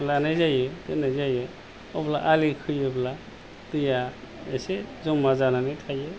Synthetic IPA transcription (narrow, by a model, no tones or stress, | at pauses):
lanajzajɯtɯnajzajɯ | ɔbla̰ʔalikʰɯjɯbla | tɯja | esezɔmːazananɯjtʰajɯ